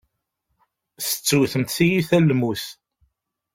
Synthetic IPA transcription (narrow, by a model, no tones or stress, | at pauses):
θə̥t͡sːuθəmt̪θijiθælːmuθ